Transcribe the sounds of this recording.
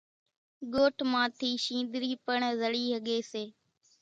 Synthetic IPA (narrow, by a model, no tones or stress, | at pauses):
ɠoːʈʰmãːt̪ʰiːʃĩːnd̪ɾiːpəɳzəɽiːɦəɠeːseː